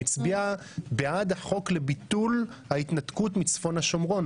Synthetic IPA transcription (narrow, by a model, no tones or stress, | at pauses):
it͡sbia | beadaχo̞kle̞bit̪ulhaitnatkutmit͡sfo̞nhaʃo̞mʁo̞n